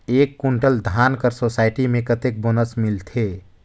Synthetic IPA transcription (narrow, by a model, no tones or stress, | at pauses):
eːkːʊɳʈəld̪ʱaːnkəɾsoːsaːɪʈimẽkət̪ek̚bonəsmɪlt̪ʰeː